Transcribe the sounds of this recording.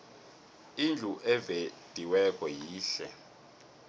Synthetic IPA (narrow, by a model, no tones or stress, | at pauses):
ind͡ɮʱuʔɛved̥ʼʱiwɛkʼɔjiːɬɛ̰